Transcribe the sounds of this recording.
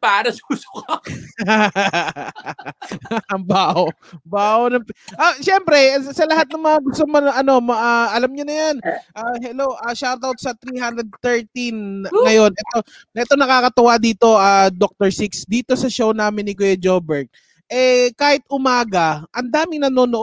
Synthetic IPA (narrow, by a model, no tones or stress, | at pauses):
paːɾɐsusʊ̥kɐ | ɐbaːʔ | baːʔonɐŋpʔaʃɛmpɾɛsɐlɐɦat̪̚nɐŋmɐŋaɡʊst̪omɐnʔɐno̞mɐʔaʔɐlamɲonɐjanʔahɛlowʔɐʃaɾt̪awt̪̚sɐt̪ɾiɦand̪ɾɛd̪̚t̪ɛɹt̪inŋɐjo̞nʔɛt̪o | ɛt̪onɐkaːkɐt̪ʊwad̪iːt̪o̞ʔad̪ok̚t̪ɛɹsiksd̪iːt̪o̞sɐʃownaːmɪnːɪkojɛd͡ʒobɛɹt̪̚ | ʔɛkaːhɪt̪̚ʔʊmaːɡɐʔɐnd̪aːmɪŋnɐno̞ːnoʔ